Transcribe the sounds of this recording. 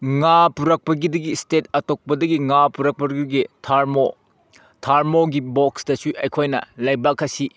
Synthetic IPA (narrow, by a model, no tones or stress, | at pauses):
ŋapuɾɐk̚pɐɡidɐɡistetɐtok̚pɐdɐɡiŋapuɾɐk̚pɐɡiɡitʰaɾmo | tʰaɾmoɡiboksdɐsuʔɐjkʰojnɐ̰lɐjbakʰːɐsi